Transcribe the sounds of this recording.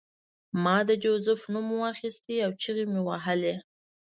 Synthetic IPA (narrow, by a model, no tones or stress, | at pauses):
mɑd̪əd͡ʒozʊfnumwaxist̪iawt͡ʃiɣemewaɦəle